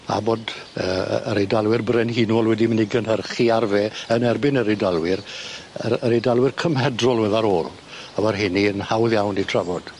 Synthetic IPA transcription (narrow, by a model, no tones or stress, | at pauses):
a̰boːd | ə̰ːə̰ɾedalˠwɪrbrɛnhinwɔlˠwɛdiməniɡənɦərχiarveːənɛrbɪnəɾedalˠwɪrə̰əɾedalˠwɪrkʰəmhɛdrɔlˠwɛðaɾoːlˠ | awɛrɦɪniənhawðjawnitʰravɔd̥